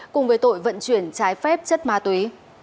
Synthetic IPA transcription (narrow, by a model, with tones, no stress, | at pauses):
kʊ˨˩ŋ͡mvəː˨˦jt̪o̰˧˨jvə̰˧˨nt͡ɕwi˧˩ənt͡ɕaː˨˦jfɛ˦˥p̚t͡ɕə˦˥t̚maː˨˧˦t̪wi˨˦